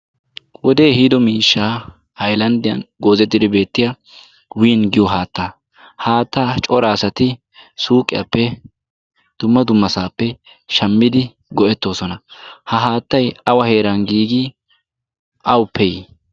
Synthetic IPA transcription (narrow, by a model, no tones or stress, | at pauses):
wɔd̪e̞ːhiːd̪ɔmiːʃːaː | ɐjlɐnd̪ɪjɐ̰nɡo̞ːzɛt̪ːɪd̪ɪbe̞ːt̪ːɪjɐ | winɡɪjɔɦaːt̪ːa | haːt̪ːaːt͡ʃʼɔɾaːsɐt̪ɪ | suːkʼːɪja̰pːɛ | d̪̥ʊmːɐd̪ʊmːɐsaːpːɛ | ʃɐmːɪd̪ɪ | ɡɔʔɛt̪ːo̞ːsɔnɐhɐɦaːt̪ːɐjɐwɐhe̞ːɾɐnɡiːɡi | ʔɐwʊpːɛj